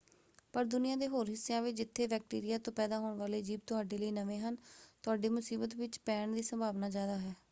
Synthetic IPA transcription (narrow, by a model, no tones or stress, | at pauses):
pəɾd̪ʊnɪjãːd̪eːɦoːɾɦɪsːejãːʋɪt͡ʃd͡ʒɪt̪ʰːeːʋɛːk̚ʈḭːɾɪjaːt̪õːpɛːd̪aːɦoːɳʋaːleːd͡ʒiːb̚t̪ʊɦaːɖeːləiːnəʋẽːɦənt̪ʊaːɖeːmʊsiːbət̪ʋɪt͡ʃpɛːɳd̪iːsəmbʱaːʋnaːd͡ʒjaːd̪aːɦɛː